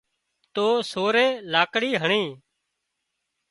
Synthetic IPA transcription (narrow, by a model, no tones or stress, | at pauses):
t̪oːsoːɾeːlaːkɽiːɦəɳĩː